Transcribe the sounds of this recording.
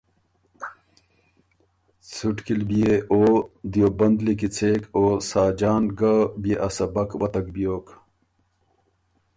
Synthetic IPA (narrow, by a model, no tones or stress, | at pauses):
t͡sʰuʈkilbijeʔoːd̪ijobɐnd̪likit͡sʰeːkoːsaːd͡ʑaːnɡabijeʔɐsɐbɐkwɐt̪ɐk̚bijoːk